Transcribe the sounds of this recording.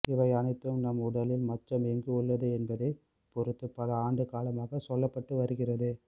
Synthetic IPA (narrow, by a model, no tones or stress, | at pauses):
ɪʋɐɪɐnɐɪt̪ːɯmnɐmʊɽɐlɪlmɐtːɐmɛŋɡɯʊɭːɐðɯɛnbɐðɐɪ | pɔɾɯt̪ːɯpːɐlɐaːɳɖɯkaːlɐmaːɣɐsɔlːɐpːɐʈːɯʋɐɾɯɣɪrɐðɯ